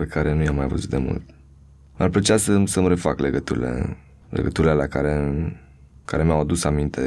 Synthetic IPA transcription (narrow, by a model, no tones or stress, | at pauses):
pekaɾe̞nujamːajvə̰zut̪d̪emṵlt̪ | narplet͡ʃeasəsəmɾe̞fakleɡət̪uɾḭlḛ | lʔḛɡət̪uɾilelakaɾe | kaɾe̞mjawad̪usamint̪ʰe̞